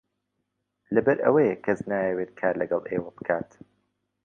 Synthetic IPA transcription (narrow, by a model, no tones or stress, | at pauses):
lɐbɐɾʔɐ̰wɐjɛkʰɐznaːjɛweːt̪̚kʰaːɾlɐɡɐlˠʔeːwɐlˠbɨkʰaːt̪